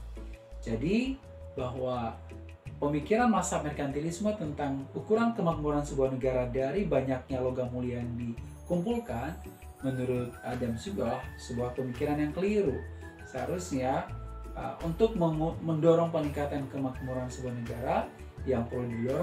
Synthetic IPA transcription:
d͡ʒadi | baɦwa | pəmikiɾanmasamɛrkant̪ilismət̪ənt̪aŋukuɾankəmak̪̚muɾansəbuahnəɡaɾadaɾibaɲak̚ɲaloɡamuliandi | kumpulkan | mənuɾʊt̪̚adamsubuahsəbuahpəmikiɾanjaŋkəliɾu | səhaɾusɲaʔə̰unt̪ʊk̚məŋuməndɔɾɔŋpəniŋkat̪ankəmak̚muɾansəbuahnəɡaɾa | jaŋpərluhdidoɾ

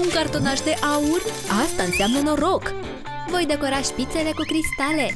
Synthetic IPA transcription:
uŋkart̪o̞naʃd̪e̞ʔaurʲ | ast̪aɨnseamnənoɾo̞k | vo̞jd̪e̞ko̞ɾaʃpit̪se̞le̞kukɾist̪ale̞

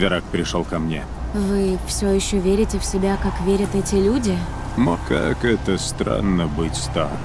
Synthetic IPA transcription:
vʲɪɾak̚pɾʲɪʂolˠkɐmnʲḛ | vɨfsʲojɪɕːovʲeɾʲɪtʲɪfsʲɪbʲakakvʲeɾʲət̪ɛtʲɪlʲudʲɪ | noka̰kɛt̪əst̪ɾa̰nːəbɨtʲst̪a

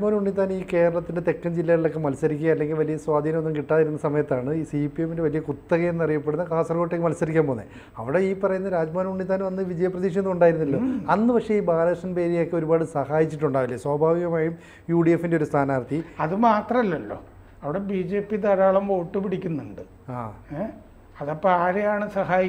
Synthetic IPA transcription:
maːnmuɳːit̪ːaːniːke̞ːɾɐɭɐt̪ːinde̞t̪e̞kːɐmd͡ʑilːɐjiɭilo̞kːe̞mɐlsɐɾikʲːuɣɐɐlːe̞ŋɡilʋɐlijɐswaːd̪ʱiːnɐnːɐmkiʈːaːjiɾunːɐsɐmɐjɐt̪ːaːɳɨiːsipieminde̞ʋɐlijɐkut̪ːɐɣɐenːɨɐrijɐpːeɽunːɐkaːsɐrkoʈːekːemɐlsɐɾikʲːaːmboːnḛ | ɐʋiɽe̞iːpːɐrɐjunːɐɾaːd͡ʑɐmaːnuɳːit̪ːaːnʋɐnːɨʋid͡ʑɐjɐprɐðiːʂ̬jɐnuɳɖaːjiɾunːilːo̞ːɐnːɨpɐkʂeiːbaːlɐʂɐnpe̞ːɾijekːeo̞ɾubaːɽɨsɐhaːjit͡ɕːiʈːuɳɖaːʋilːɐswaːbʱaːʋiɣɐmaːjum | juːɽijefːinde̞o̞ɾust̪ʰaːnaːrt̪ʰiɐðɨmaːt̪rɐmɐlːɐlːo̞̰ː | ɐʋiɽebiːd͡ʑe̞ːpːit̪ɐɾaːɭɐmʋo̞ːʈːɨpiɽikʲːunːuɳɖɨ | aː | ɐðɐpːaːɾɐjaːɳɨsɐɦaːj

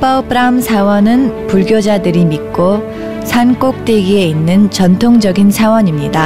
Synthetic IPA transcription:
p͈ʌpɾamsʰawʌnɯnpuɭɡjod͡ʑadɯɾimik̚k͈o | sʰank͈ok̚t͈weɡie̞inːɯnt͡ɕʌntʰoŋd͡ʑʌɡinsʰawʌɲimɲida

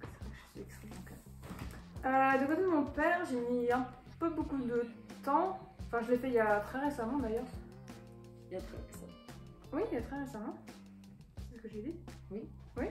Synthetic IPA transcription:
seakʒ̥ə̥siɛkst̪χɛmmɑ̃kɛ | əd̪əkot̪ed̪əmɔ̃pɛʁʒeniɛ̃ | pøbokud̪ət̪ɑ̃ɑ̃fɛ̃ʒəlefɛjat̪χɛʁesamɑ̃d̪ajœʁ | jat̪χɛ̰ɛsa | wijat̪χɛʁesamɑ̃ | sɛskəʒəed̪iwi | wi

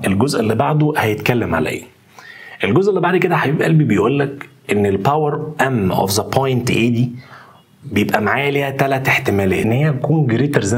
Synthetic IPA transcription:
ʔelɡozʔelːibɑʕd̪ohæjet̪kælːæmʕa̰læ̰ʔḛː | ʔelɡozʔelːibaʕd̪ked̪æħæjebʔæʔælbibejʔuːlːæk | ʔenːelpæwæɾʔæmʔo̰fzæpʰojnt̪ʔeːd̪i | bejebʔæmaʕaːjæliːhæt̪ælæt̪eħt̪emæːlæːʔenːhejːæt̪ækuːnɡɾiːt̪eɾzæ

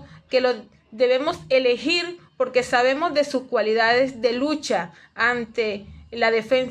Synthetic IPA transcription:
kelo | ðe̞βe̞mo̞se̞le̞xiɾpo̞ɾke̞saβe̞mo̞zðe̞suskwaliðaðe̞zðe̞lut͡ʃa | ant̪e̞laðe̞fe̞n

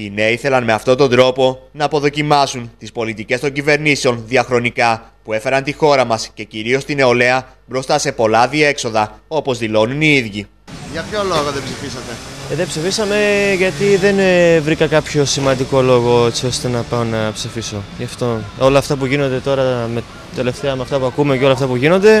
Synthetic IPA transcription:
ine̞iθe̞lɐnme̞ɐft̪o̞t̪o̞nd̪ɾo̞po̞nɐːpo̞ðo̞cimɐsunt̪ispo̞lit̪ice̞st̪o̞ɲɟive̞ɾniseo̞nðiɐxɾo̞nikɐpue̞fe̞ɾɐnt̪ixo̞ɾɐmɐsce̞ciɾio̞st̪ine̞o̞le̞ɐ | bɾo̞st̪ɐse̞po̞lɐðie̞kso̞ðɐo̞po̞zðilo̞nuniiðʝi | ʝɐpço̞lo̞ɣoðebsifisɐt̪e̞ðepsifisɐme̞ʝɐt̪iðe̞nvɾikɐkɐpço̞simɐnd̪iko̞lo̞ɣo̞et͡sio̞st̪e̞nɐpɐonɐpsifiso̞jɐft̪o̞o̞lɐːft̪ɐp̬uʝino̞nd̪e̞t̪o̞ɾɐme | t̪e̞le̞ft̪eɐmeɐft̪ɐpuɐkumeceo̞lɐft̪ɐpuʝino̞nd̪e̞

